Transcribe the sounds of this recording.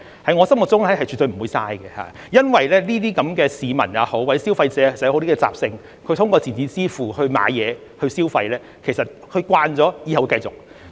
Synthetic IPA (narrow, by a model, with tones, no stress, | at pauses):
hɐ˨˥jŋɔː˨˧sɐ˥mʊ˨t̚t͡sʊ˥ŋɐ˨˥jhɐ˨jt͡ʃy˨t̪ɵ˧m̩˨˩wuː˨˧jsaː˧jɡɛ˧ha̰ː˨ | jɐ˥nwɐ˨jlɛː˥niː˥t̪iː˥kɐ˨˥mkɛː˧siː˨˧mɐ̰˨˩na˨˧ho˨˥wwɐ˨˧˥jsi˥wfɐ˧jt͡sɛː˨˧e˨˩sjht̪i˥kɛː˧t͡sa̰ː˨p̚sɪ˧ŋ | kʰɵ˧t̪ʰʊ˥ŋkɔː˧t͡siː˨˩nt͡siː˨˥t͡siː˥fuː˨˩hɵ˧ɥma̰ː˨˧jjɛː˨˧ | hɵ˧ɥsiː˥wfɐ˧jlɛː˥ | kʰe˨˩jsɐ˨t̚hʰɵ˧ɥkwaː˧nt͡sɔː˨˥jiː˨˧hɐ˨wkɐ˧jt͡sʊ˨˩k̚